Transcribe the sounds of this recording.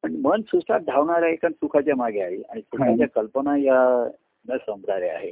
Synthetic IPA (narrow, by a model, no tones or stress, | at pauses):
məɳmənsust̪at̪̚d̪ʱaʋɳaɾaɦekansukʰat͡ɕjamaɡʱeaɦiaɽ̃isukʰat͡ɕjakəlpənaja | nəsəmbʱɽaɾea̰ɦe